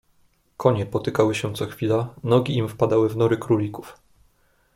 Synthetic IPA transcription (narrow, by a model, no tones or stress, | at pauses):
kʰɔɲɛpɔt̪ɘkawɘɕɛt̪sɔxfʲilanɔɡʲiimfpad̪awɘvnɔɾɘkɾulʲiku̥f